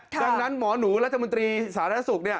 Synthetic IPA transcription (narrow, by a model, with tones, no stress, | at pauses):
daː˧ŋna˦˥nmɔː˩˦nuː˩˦ɾa˦t̪̚ʰːa˧mo˧nt̪ɾiː˧saː˩˦ɾa˧˩a˦˥su˨˩k̚ni˥˩ɐ